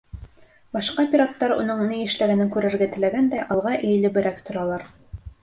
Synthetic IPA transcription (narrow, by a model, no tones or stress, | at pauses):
bɑʃqɑpʲiɾot̪ːɑɾṵnɤɴnɤjɘ̆ʃlæɡænɘŋkʉɾæɾɡæt̪ɘ̆læɡænd̪æjʔɑlˠʁɑʔɘ̆j̆lɘbɘ̆ɾækt̪ŏɾɑlˠɑɾ